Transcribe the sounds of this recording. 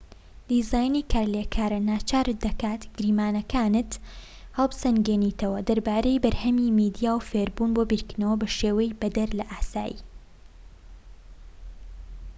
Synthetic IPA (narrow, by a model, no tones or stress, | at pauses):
d̪̥izaːjnikʰaːɾlekʰaːɾɐnaːt͡ʃaːɾɨd̪ɐkaːt̪ɡ̥ɾiːmaːnɐkʰaːnɨt̪ | hɐlˠbsɐnɡeniːt̪ʰɐwɐd̪ɐɾbaːɾejbɐɾhɐmimiːd̪ijaːwfeːɾbuːnbobiːɾknɐwɐbɐʃeːwɐjbɐd̪ɐɾlɐʔaːsa̰ːjḭː